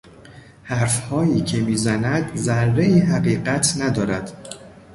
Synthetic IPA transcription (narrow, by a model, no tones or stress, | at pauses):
hæɾfhɒːjiːcʰe̞miːzænæd̪zæɾːe̞iːɦæɢiːɢæt̪ʰnæd̪ɒːɾæd̪̥